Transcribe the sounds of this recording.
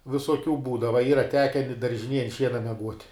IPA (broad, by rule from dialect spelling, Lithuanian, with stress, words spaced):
ʋʲɪsoːˈkʲuː ˈbuːdɐʋɐ ˈiːrɐ ˈtʲæːkʲɛ ɪ dɐrʲʒʲɪˈnʲeːj ɐnt ˈʃʲiɛnɐ mʲɛˈɡuɔtʲ